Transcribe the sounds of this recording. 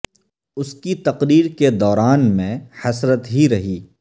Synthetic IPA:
ʊskit̪ɐqɾiːɾked̪ɔːɾaːnmẽhɐsɾət̪ɦiɾɐɦiː

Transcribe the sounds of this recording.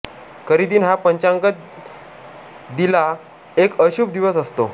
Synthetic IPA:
kəɾid̪iːnɦapəɲt͡ɕaŋkət̪̚ | d̪ila | ekəɕuːp̚d̪iʋəsəst̪o

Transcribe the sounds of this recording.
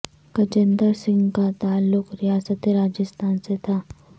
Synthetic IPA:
kɐt͡ʃə̃nd̪əɾsɪ̃ŋɡkat̪aːlːʊkɾijaːsət̪eɾaːd͡ʒəst̪ʰaːnset̪ʰaː

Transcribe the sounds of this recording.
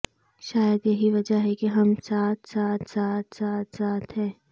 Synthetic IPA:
ʃaːjəd̪jɐɦiʋɐd͡ʒaɦɛkeɦɐmsaːt̪ʰsaːt̪ʰsaːt̪ʰsaːt̪ʰsaːt̪ʰɦɛː

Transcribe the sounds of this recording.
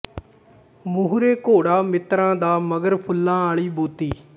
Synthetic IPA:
mʊɦɾeːkoːɽaːmɪt̪ɾãːd̪aːməɡəɾpʰʊlːãːaːɳ̃iːbuːt̪iː

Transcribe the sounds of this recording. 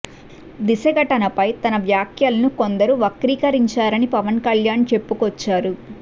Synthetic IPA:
d̪isɐɡɐʈɐnɐpɐjt̪ɐnɐʋjaːkʰjɐlɐnuko̞nd̪ɐɾuʋɐkɾiːkɐɾiɲt͡ʃaːɾɐnipɐʋɐnkɐljaːnt͡ʃe̞pːukɔt͡ʃːaːɾu

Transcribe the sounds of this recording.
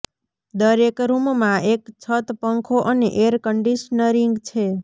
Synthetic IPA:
d̪əɾekɾummãʔekt͡ʃʰət̪pəŋkʰoʔənḛʔeɾkəɳɖiʃnəɾiŋɡt͡ʃʰe

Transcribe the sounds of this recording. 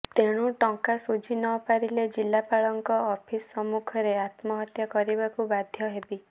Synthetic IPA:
t̪eɽ̃uʈɔŋkasud͡ʒʱinɔpaɾiled͡ʒilːapaɭɔŋkɔɔpʰisːɔmukʰɔɾeat̪mɔɦɔt̪jakɔɾibakubad̪ʱjɔɦebi

